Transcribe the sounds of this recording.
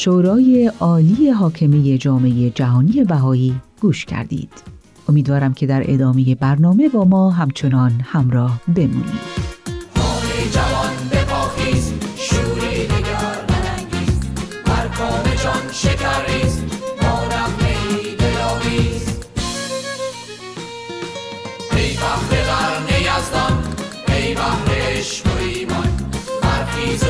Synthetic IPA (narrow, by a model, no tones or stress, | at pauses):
ʃoːɾɒːje̞ʔɒːliːje̞ɦɒːcʰe̞me̞je̞d͡ʒɒːme̞je̞d͡ʒæɦɒːnije̞bæɦɒːiːɡ̥uːʃcʰæ̰ɾd̪ḭːd̪̥ | ʔo̞miːd̪vɒːɾæmcʰe̞d̪æɾʔe̞̰d̪ɒːme̞je̞bæɾnɒːme̞bɒːmɒːɦæmt͡ʃʰo̞nɒːnhæmɾɒːhbe̞mṵːnḭːd̪̥hɒːlid͡ʒævɒnbekʰɒːkiːstʃuːɾiːd̪iɡæɾbeɾæŋɡiːzhæɾkʰɔːmet͡ʃɔnʃekʰæɾːiːsmɒːɾæmhejlibejɒːmiːz | hejfæhɾebæɾnejæzd̪am | ejbæhɾeʃkoiːmɔnbæɾfiː